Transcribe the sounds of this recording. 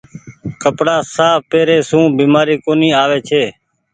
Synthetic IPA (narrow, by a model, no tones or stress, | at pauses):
kəpɽaːsaːpeːɾeːsũːbiːmaːɾiːkoːniːaːʋeːt͡ʃʰeː